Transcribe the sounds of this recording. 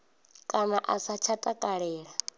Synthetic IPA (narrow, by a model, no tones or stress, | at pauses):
kʼanaʔasat͡ʃʰatʼakʼaɺɛːɺa